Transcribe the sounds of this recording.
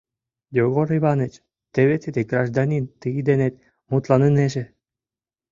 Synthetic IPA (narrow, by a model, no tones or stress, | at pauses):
joɣoɾiβɑnet͡ɕ | t̪eβet̪ed̪eɡɾɑʒd̪ɑnʲint̪ɨd̪enet̪ | mut̪lɑnɯneʒĕ